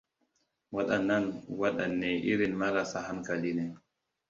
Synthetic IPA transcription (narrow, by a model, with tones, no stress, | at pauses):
wa˦ɗɐ˨nːa˦nwa˦ɗa˨nːɛ˨ʔɪ˦ɾi˨nma˦ɾa˨sa˦ɦa˦ŋka˨liː˦nɛ˨